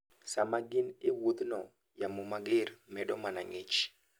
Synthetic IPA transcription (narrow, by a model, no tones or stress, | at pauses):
samaɡɪnɪwut̪nɔ | jamumaɡɪrmɛɗɔmana̰ŋɪt͡ʃ